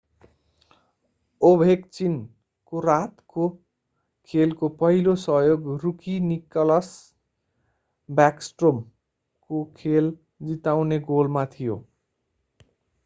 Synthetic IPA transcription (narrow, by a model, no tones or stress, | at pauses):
obʱekt͡sin | korat̪ko | kʰelkopʌɦilosʌɦjoɡrukinikʌlʌs | bjaksʈrom | kokʰel | d͡zit̪awneɡolmat̪ʰijo̰